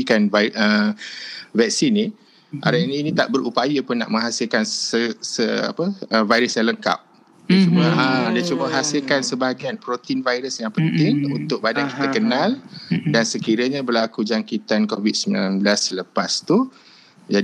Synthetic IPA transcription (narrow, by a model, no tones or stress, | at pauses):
kanvʔə | vɛk̚sini | ʔa̰ɾaniːnit̪a̰ʔbəɾʔupajapʊnːa̰ʔməŋɦasɪlkansəsəa̰pəəvajɾəsjaŋləŋka̰p̚ | dat͡ʃumuəadiat͡ʃubəɦasɪlkansəbaɡaanpɾot̪invajɾəsjaŋpənt̪ɪŋunt̪ʊk̚badanki̥t̪akənaldansəkiɾaɲabərlakud͡ʒaŋkit̪ankovid̚səmbilanblasələpast̪u | d͡ʒa